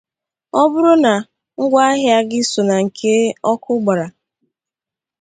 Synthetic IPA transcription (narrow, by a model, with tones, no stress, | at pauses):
ɔ˦bʊ˦ɾʊ˦na˨ | ŋ̩˦ɡʷa˦ɦja˦ɡɪ˦so˨na˨ŋ̩˨kʰe˦ɔ˦kʰʊ˦ɡ͡ba˨ɾa˨